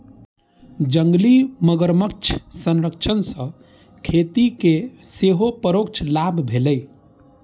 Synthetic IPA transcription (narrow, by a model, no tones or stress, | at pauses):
d͡ʒəŋɡliməɡəɾmək̚t͡ʃʰsə̃nɾəkt͡ʃʰənsə̃ | kʰet̪ikeseɦopəɾokt͡ʃʰlabʱbʱeləj